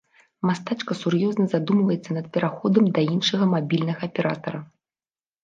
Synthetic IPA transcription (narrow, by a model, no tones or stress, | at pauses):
mast̪at͡ʂkɐsurjɔznɐzad̪umvɐjɛt̪sːɐnɐt̪̚pʲɛɾaxɔd̪ɐmd̪ɐinʂɨɣɐmabʲilʲnɐɣɐːpʲɛɾa̰t̪ɐɾɐ